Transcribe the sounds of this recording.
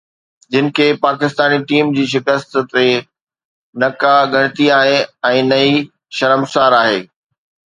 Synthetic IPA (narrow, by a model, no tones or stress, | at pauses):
d͡ʑɪnɪ̆kʰeːpaːkɪst̪aːniʈiːmd͡ʑiːʃɪkəst̪t̪e | nɐkaɡʱɐɽ̃ɪt̪iaːɦeɛ̃ːnɐi | ʃɐɾəmsaːɾaːɦḛː